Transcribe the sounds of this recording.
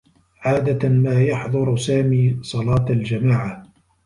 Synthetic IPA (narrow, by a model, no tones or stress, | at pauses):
ʕaːd̪amaːjɑħðˤɑɾsaːmiːsˤɑlɑːt̪ald͡ʒamaːʕa